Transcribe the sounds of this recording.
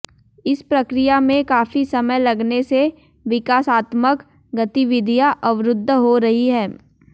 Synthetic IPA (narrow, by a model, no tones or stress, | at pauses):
ɪspɾɐkɾɪjamẽkaːfisɐməjlɐɡnese | ʋɪkaːsaːt̪mək | ɡɐt̪iʋɪd̪ʱijaʔɐʋɾʊd̪ʱːəɦoɾɐɦiɦɛː